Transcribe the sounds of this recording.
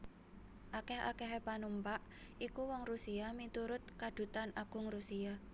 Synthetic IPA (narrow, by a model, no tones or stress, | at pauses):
ʔakɛha̰kɛɦepanumpaʔ | ikuwɔŋrusiamit̪uɾʊt̪̚kad̪̥ṳt̪anaɡ̥ʊŋrusia